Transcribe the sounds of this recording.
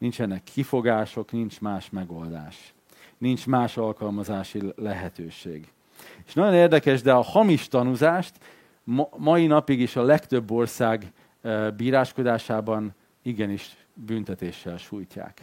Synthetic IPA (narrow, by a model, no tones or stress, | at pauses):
nint͡ʃɛnːɛkʰːifo̞ɡaːʃo̞knint͡ʃmaːʃmɛɡo̞ld̪a̰ːʃ | nint͡ʃmaːʃɒlkɒlmɒzaːʃilɛɦɛt̪øːʃḛːɡ | eʃnɒɟo̞neːrd̪ɛkɛʒd̪ɛɒhɒmiʃt̪ɒnuzaːʃt̪ | mmɒjinɒpiɡeːʃɒlɛkt̪ø̞bːo̞rsaːɡ | biːɾaːʃko̞d̪aːʃaːbɒn | iɡɛniʃ | bynt̪ɛt̪eːʃːɛlʃuːjca̰ːk